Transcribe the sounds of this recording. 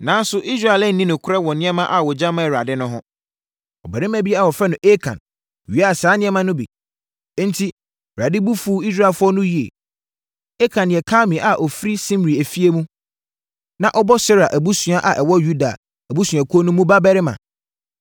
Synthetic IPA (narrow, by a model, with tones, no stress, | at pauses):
nã˨˦n˦sʊ˦ʔi˦s̬ɾa˦˨lɛ˦n̩˨nĩ˦nʊ̃˨kʰʊ˦ɾɛ˦wɔ˨nɪ̃˦ɛ˦mã˦ʔa˨wɔ˨d͡ʑã˦mã˨ɾa˨dɪ˦nʊ̃˦ɦʊ̃˦ | ɔ˨bɛ˨ɾɪ˦mæ̃˦bi˦a˨wɔ˨fɛ˦nʊ̃˨ʔe˦kʰã̰˨n˨ | ɥu˨a˦a˨saː˨˦nɪ̃˦ɛ˦mã˦nʊ̃˦bḭ̃˨˦ | n̩˦tʰi˦˨ | ɾa˨dɪ˦bu˦fuː˦i˦s̬ɾa˦e˨lfʊ˦ɔ˦nʊ̃˦ji˨ḛ˨ | e˦kʰã˨nɪ̃˨ɛ˨kʰãː˦mɪ̃˨ʔa˨ʔɔ˨fɾi˦sĩ˦mɾi˨æ˨fi˦e˦mũ˦ | nã˨ʔɔ˦bɔ˦sɛ˦ɾa˨ʔæ˨bu˦sũ˨a˨ʔa˨ʔɛ˨wɔ˦ju˦da˨ | æ˨bu˦sũ˨ã˨kʰu˦o˦nũ˦mũ˦ba˦bɛ˦ɾɪ˦mã̰˨